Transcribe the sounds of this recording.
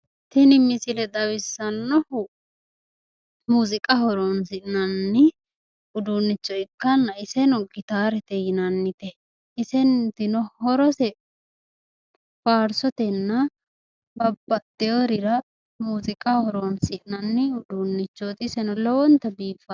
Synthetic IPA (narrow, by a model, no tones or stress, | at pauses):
t̪ɪnɪmɪsɪlɛd̪ɐwɪsːɐnːɔhʊ | muːzɪkʼɐhɔɾɔnsɪʔnɐnːɪ | ʊd̪unːɪt͡ʃːɔɪkːɐnːɐɪsɛnɔɡɪt̪aːɾɛt̪ɛjɪnɐnːɪt̪ɛ | ɪsɛnt̪ɪnɔhɔɾɔsɛ | faːɾsɔt̪ɛnːɐ | bɐbːɐt̪ːɛjoɾɪɾɐ | muːzɪkʼɐhɔɾɔnsɪʔnɐnːɪʊd̪uːnːɪt͡ʃːɔt̪ɪsɛnɔlɔwɔnt̪ːɐbiːfɐ